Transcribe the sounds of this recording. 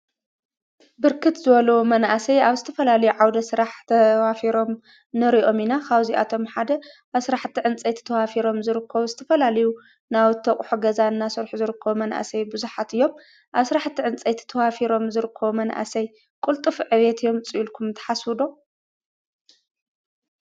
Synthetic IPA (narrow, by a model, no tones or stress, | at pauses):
bɨɾkʰɨt̪zɨβɐlɐwumɐnʔasɐjaβzɨt̪ʰɐfɐlalɐjuʕawd̪ɐsɨɾaħt̪ʰɐwafiɾo̞m | nɨɾiʔo̞minakʰawziʔa̰t̪ʰo̞mħad̪ɐʔaβsɨɾaħt̪ʰːiʕɨnt͡sʼɐt̪ʰɐ̥t̪ʰɐwafiɾo̞mzɨɾɨkʰːɐβuzɨt̪ʰɐfɐlalɐju | nawt̪ʰɐχʼħuɡɐzaɨnːasɨɾħuzɨɾɨkʰːɐβumɐnʔa̰sɐjbɨzuħat̪ɨjːo̞m | ʔaβsɨɾaħt̪ʰːiʕɨnt͡sʼɐjt̪ʰɐ̥t̪ʰɐwafiɾo̞mzɨɾɨkʰːɐβumɐnʔa̰sɐj | kʼult̪ʼɨfʕɨβet̪ʰɨjːo̞mt͡sʼɨjulkʰumt̪ʰɐ̥ħaswɨd̪o̞